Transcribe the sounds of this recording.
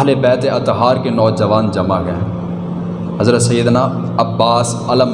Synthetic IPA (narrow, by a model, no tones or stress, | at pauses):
ɦlebɛːt̪eɐt̪ɦaːɾkenɔːd͡ʒəʋaːnd͡ʒɐmaɡɛɛ̰̃ | ɦɐzɾət̪sɐjːəd̪naː | ɐbːaːs | ɐləm